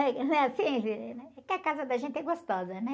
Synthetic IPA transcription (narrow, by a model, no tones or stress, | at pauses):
ɛkñɛasĩẽfĩɛɛkɪakazɐd̪ɐʒẽnt̪ɪɛɡost̪ɔzɐnɛ